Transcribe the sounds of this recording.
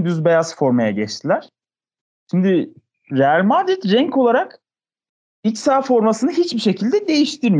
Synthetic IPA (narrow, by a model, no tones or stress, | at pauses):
d̪yzbe̞jazfo̞ɾmajaɟɛt͡ʃt̪ʰilʲæɾ̥ | ʃimd̪i | ɾealʲmaːd̪it̪ɾɛɲko̞lˠaɾak | icsaːfo̞ɾmasɯnɯɦit͡ʃbiʃe̞cʰilʲd̪ɛd̪e̞jiʃt̪ʰiɾmi